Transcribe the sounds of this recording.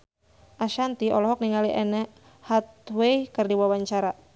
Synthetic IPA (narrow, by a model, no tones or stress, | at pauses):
ʔaʃant̪iɔ̰lɔɦɔk̚niŋaliʔɛnɛʔ | hat̪̚wejkərdiwawaɲt͡ʃaɾa